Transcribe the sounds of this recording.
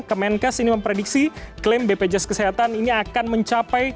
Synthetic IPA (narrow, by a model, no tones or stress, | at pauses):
kəmɛnkasiniməmpɾedik̚siklembeped͡ʒɛskəseɦat̪aniniakanməɲt͡ʃapaj